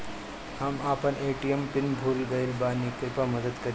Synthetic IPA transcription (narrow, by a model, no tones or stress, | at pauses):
hamaːpəneːʈijempɪnbʱuːlɡɐilbaːnikɪpamɐd̪əd̪kɐɾ